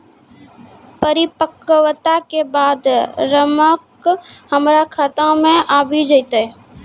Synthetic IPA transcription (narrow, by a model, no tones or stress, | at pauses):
pəɾɪpəkwt̪akebaːd̪ɾəmək | həmɾakʰaːt̪ãmẽʔaːbʱid͡ʒəjt̪əɛ